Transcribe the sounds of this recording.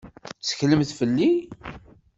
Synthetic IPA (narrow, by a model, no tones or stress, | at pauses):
t͡sːə̥çləmθfəlːi